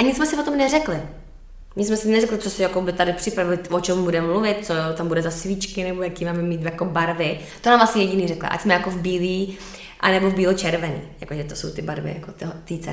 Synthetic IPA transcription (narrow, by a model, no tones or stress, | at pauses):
ʔaɲɪtt͡ssmɛsɪvot̪omnɛrɛklɪ | ɲɪtt͡ssmɛsɪnɛrɛklɪt͡sosɪjakobɪt̪adɪpr̝̥ɪpɾavɪlɪvot͡ʃɛmbudɛmmluvɪt̪̚t͡sot̪ambudɛzasviːt͡ʃkɪnɛbojakiːmaːmɛmiːt̪jakobaɾvɪ | t̪onaːmvlastɲɛjɛɟɪniːrɛklɛ̰ʔa̰csmɛjakovbiːliː | ʔa̰nɛbovbiːlot͡ʃɛɾvɛnḭːjakoʒɛt̪oso̰wt̪ɪbaɾvɪ̰ja̰kot̪oɦot̪iːt͡sɛ̰